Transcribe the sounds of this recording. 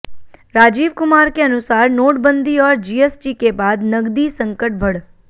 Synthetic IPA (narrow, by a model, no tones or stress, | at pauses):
ɾad͡ʒiʋkʊmaɾkeənusaɾnoʈbənd̪ʱiɔːɾd͡ʒiesʈikebad̪nəɡd̪isə̃ŋkəʈ̚bʱəɽ